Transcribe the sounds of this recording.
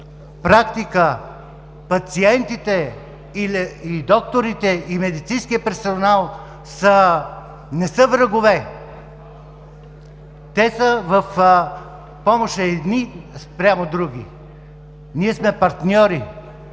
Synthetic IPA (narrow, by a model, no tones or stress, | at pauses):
pɾakt̪ikə | pɐt̪siɛnt̪it̪ɛ | ilɛid̪ɔk̚t̪oɾit̪ɛimɛd̪it̪sĩnskijəpɛɾsonalˠ | sə | nɛsəvɾəɡovɛ | t̪ɛsəvəf | pɔmoʃəɛd̪nispɾʲjamod̪ɾuɡ̟ʲḭ | niɛsmɛpɐɾt̪nʲɔɾi